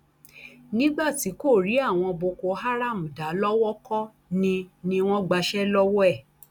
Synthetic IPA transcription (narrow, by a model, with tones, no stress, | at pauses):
nĩ˦ɡ͡ba˦˨ti˨˦ko˦˨ɾi˨˦a˦˨w̃ɔ̃˧bo˧ko˧ɦa˦ɾa˦˨m̩˨da˨˦lɔ˦wɔ˦kɔ˦ | nĩ˧nĩ˧w̃ɔ̃˦ɡ͡ba˧ʃɛ˦lɔ˦wɔ˦ɛ˦˨